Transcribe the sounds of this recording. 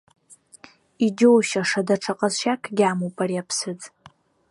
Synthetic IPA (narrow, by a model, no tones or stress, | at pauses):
id͡ʒowʃaʂadaʈ͡ʂʰaqʼazʃakʰɡʲamopʼariapʰsɨt͡sʼ